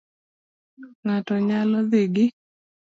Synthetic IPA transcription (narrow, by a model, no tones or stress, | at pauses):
ŋatɔɲalɔðɪɡɪ